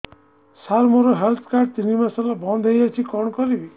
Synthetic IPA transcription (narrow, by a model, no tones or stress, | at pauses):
saɾmɔɾoɦelt̪ʰkaɾɖ̚t̪inimasalabɔnd̪ʱejat͡ʃʰikɔɳkɔɾibi